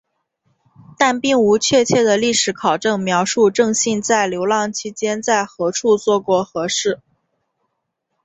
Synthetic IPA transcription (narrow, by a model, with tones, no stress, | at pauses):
t̪a˥˧npi˥˩ŋu˧˥t͡ɕʰɥɛ˥˧t͡ɕʰjɛ˥˩d̪ə˩li˥˩ʂɻ̩˧˥kʰɑ˨˩ʊʈ͡ʂɤ˥˩ŋmjɑ˧˥ʊʂu˥˧ʈ͡ʂɤ˥˧ŋɕi˥˧nt͡sa˥˩ɪljo˧˥ʊlɑ˧˥ŋt͡ɕʰi˧˥t͡ɕjɛ˥nt͡sa˥˩ɪxɤ˧˥ʈ͡ʂʰu˥˧t͡swɔ˥˧kwɔ˥˩xɤ˧˥ʂɻ̩˥˩